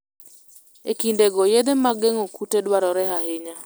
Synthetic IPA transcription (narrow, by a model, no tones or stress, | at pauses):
ekindeɡɔjed̪emaɡeŋokutedwaɾɔɾɛɦaɦɪɲa